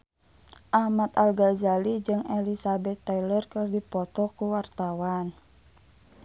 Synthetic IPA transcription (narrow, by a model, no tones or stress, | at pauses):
ʔahmat̪alɡazalid͡ʒɨŋɛlisabɛt̪ːailərkɨrdipɔt̪ɔkuwart̪awan